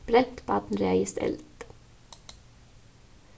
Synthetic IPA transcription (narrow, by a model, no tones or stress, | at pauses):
b̥ɾɛt̪bɑt̪n̩ɾɛɑɪst̪ɛ̰lt̪